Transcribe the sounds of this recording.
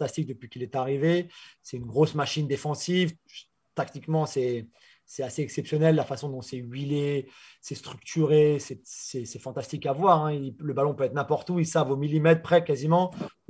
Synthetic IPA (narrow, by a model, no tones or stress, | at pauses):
t̪ast̪ik̚d̪əpɥikʲilɛt̪aʁivesɛt̪ynɡʁosmaʃind̪efɑ̃siv | t̪akt̪ikmɑ̃sɛ | sɛaseɛksɛpsjɔnɛlːafasɔ̃d̪ɔ̃sɛɥilesɛst̪χyk̚t̪ʰyʁesɛsɛsɛfɑ̃t̪ast̪ikavwaʁɛ̃iləbalɔ̃pøɛt̪nɛ̃pɔʁt̪uilsavomilimɛt̪χpχɛkazimɑ̃